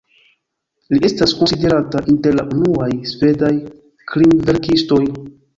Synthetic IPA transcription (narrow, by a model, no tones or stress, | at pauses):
lie̞staskonside̞ɾataʔinte̞ɾlaʔunuajsve̞daj | kɾimve̞ɾkisto̞j